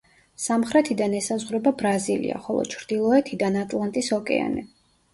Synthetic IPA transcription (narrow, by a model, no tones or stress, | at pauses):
samχɾɛt̪ʰid̪anɛsazʁɾɛbabɾazilḭa̰χɔlˠɔ̰t͡ʃʰɾd̪ilˠɔɛt̪ʰid̪anat̪ʼlˠant̪ʼisɔkʼɛ̰a̰nɛ